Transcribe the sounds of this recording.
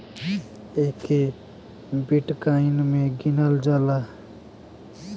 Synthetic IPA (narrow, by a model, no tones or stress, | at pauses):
eːkʰe | biʈkaɪnmẽɡinəld͡ʒala